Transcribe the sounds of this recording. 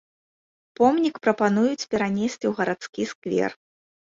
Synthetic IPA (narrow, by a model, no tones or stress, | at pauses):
pɔmnʲikpɾɐpanujut͡sʲpʲɛɾanʲesʲt͡sʲiwɣɐɾat̪skʲiskvʲɛ̰r